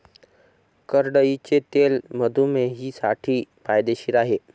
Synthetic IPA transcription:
kəɾɖəit͡ɕet̪elməd̪ʱumeɦiːsaʈʰiːpajd̪eɕiːɾaɦe

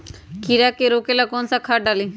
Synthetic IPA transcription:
kiɾakeɾoːkelakoːnsakʰaːɖaːli

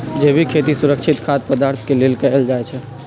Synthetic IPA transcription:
d͡ʒebʱikʰet̪isuɾəkt͡ʃʰɪt̪kʰat̪pəd̪aɾt̪ʰkelelkəeld͡ʒaɛt͡ʃʰɛ

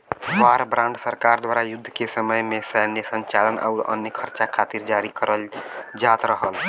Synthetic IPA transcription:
faɾbɾãɳɖsəɾkaɾd̪waɾajud̪ʱːəkesəməjmesɛnjesə̃ɲt͡ʃalənʔa̰ʊɾə̰njəkʰəɾt͡ʃakʰat̪iɾd͡ʒaɾikəɾəld͡ʒat̪ɾəɦəl

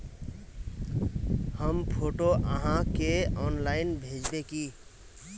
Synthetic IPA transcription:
həmpʰoʈoʔəɦãkeɔnlaɪnbʱed͡ʒbeki

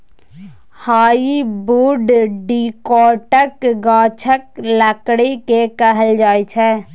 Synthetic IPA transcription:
haːibuːɖɖiːkɔːʈəkɡaːt͡ʃʰəkləkɽekekəɦəld͡ʒaːit͡ʃʰɛː

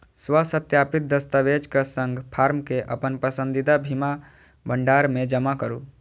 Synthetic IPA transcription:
swəsət̪japɪt̪̚d̪əst̪aʋed͡ʒkasə̃ŋɡpʰaːɾmkeʔə̰pənpəsə̃nd̪id̪abʱima | bəɳɖaːɾmẽd͡ʒəmakəɾu

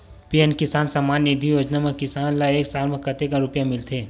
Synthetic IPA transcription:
pijənkɪsaːnsɐmaːnːid̪ʱijoːd͡ʒnamẽkɪsaːnlaeːksaːlmẽkɐt̪ekaɾʊpjamɪlt̪ʰeː

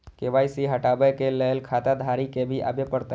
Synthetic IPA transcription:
keʋaːisiɦəʈabəjkeləɦelkʰat̪ad̪ʱaɾikebʱiʔa̰bepəɾt̪a

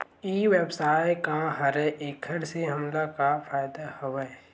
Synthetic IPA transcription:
iːweːbsaːɪkaɦɐɾɛʔeːkʰəɾseɦɐmlakafʰaːɪd̪ahoʋɛ

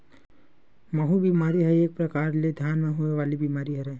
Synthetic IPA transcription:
məɦubimaːɾiɦɛeːk̚pɾɐkaːɾled̪ʱjaːnmẽɦueʋaːlibimaːɾiɦɛɾɛ

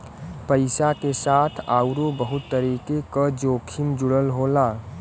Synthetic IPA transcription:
pəɪsakesaːt̪ʰaːʊɾobəɦʊt̪ːəɾiːkekad͡ʒoːkʰɪmd͡ʒʊɽəlɦoːlaː

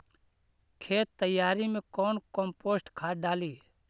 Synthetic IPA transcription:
kʰeːt̪ːəjaːɾimẽkɔːnkɔ̃mpoːsʈkʰaːɖaːliː

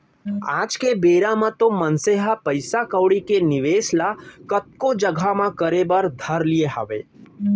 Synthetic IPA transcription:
aːd͡ʒkebeːɾãmãt̪omənseɦapəɪsakəwɽikenɪʋeːslakət̪̚kõd͡ʒəɡʱamãkəɾebəɾd̪ʱɐɾlieɦɐ̰ʋḛː

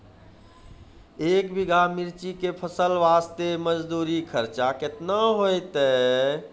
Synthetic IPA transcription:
eːkbiɡʱamiɾt͡ʃikepʰəsəlʋaːst̪eməd͡ʒd̪uːɾikʰəɾt͡ʃakɪt̪naɦoet̪e

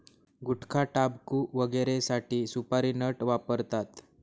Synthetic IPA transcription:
ɡuʈkʰaʈabkuʋəɡeɾesaʈiːsupaɾinəʈʋapəɾt̪at̪

